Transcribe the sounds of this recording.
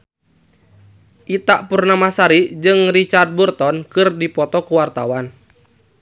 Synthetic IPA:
ʔit̪aʔpurnamasaɾid͡ʒɨŋrit͡ʃard̪̚burt̪ɔnkɨrdipɔt̪ɔkuwart̪a̰wan

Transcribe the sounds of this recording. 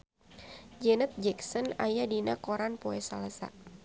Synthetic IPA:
d͡ʒɛnət̪̚d͡ʒɛksɔnajadinakɔɾanpɔɛsalasa̰

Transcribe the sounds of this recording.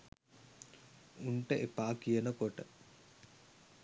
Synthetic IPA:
uɳʈəʔepaːkijənəkoʈə

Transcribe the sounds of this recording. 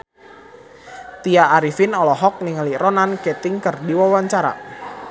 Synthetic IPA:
t̪iaʔːɾifɪnɔlɔɦɔk̚niŋaliɾɔnankɛt̪ɪŋkərdiwawaɲt͡ʃaɾa̰

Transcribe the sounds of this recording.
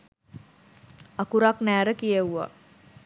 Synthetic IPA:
akuɾaknæːɾəkijewʋa̰

